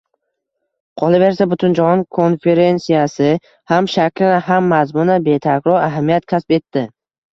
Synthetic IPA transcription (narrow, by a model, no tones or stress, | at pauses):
qʰɒlˠabe̞ɾsabʊt̪ʰʊnd͡ʒahɒŋkʰo̞nfe̞ɾe̞nsijasɪ | hamʃakʲlɪnɪhamːazmʊnabe̞t̪ʰakʲɾɒɾaɦamijat̪kʲʰaspe̞t̪ːɪ